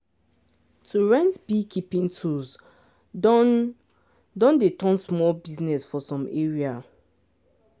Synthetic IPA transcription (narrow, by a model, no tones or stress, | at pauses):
tʰuɹɛ̃ntbikipĩntʰuz | dɔ̃ndetɔ̃nsmɔlbiznɛsfɔsɔ̃meɹia